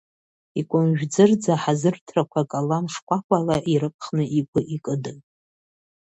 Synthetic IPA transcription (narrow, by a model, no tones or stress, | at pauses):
ikʷʼʊmʒᶣd͡zɨrd͡zaħazɨrtʰrakʷʰakʼalamʂkʷʰakʷʰalaʔiɾɨpʰʼχnɨʔikʷʰʼʊʔikʼɨdɨn